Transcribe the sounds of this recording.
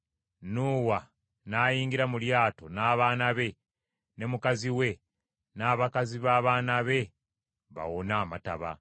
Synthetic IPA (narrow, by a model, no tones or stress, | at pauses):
nuːwa | naːjiːŋɡiɾamuljaːto̞naːβaːnaβe̞ | ne̞mukaziwe̞ | naːβakaziβaːβaːnaβe̞ | βa̰wonaːmata̰βa̰